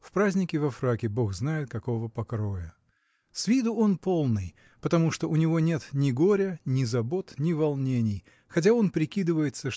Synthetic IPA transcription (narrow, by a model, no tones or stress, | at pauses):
fpɾazʲnʲɪkʲɪvɐfɾakʲɪbo̞xznajɪt̪̚kɐko̞vəpɐkɾo̞jə | svʲid̪ʊo̞npo̞lˠnɨj | pət̪ɐmuʂt̪oʊnʲɪvo̞nʲe̞t̪nʲɪɡo̞ɾʲənʲɪzɐbo̞t̪nʲɪvɐlˠnʲenʲɪj | xɐtʲao̞npɾʲɪkʲid̪ɨvəjɪt̪səʂ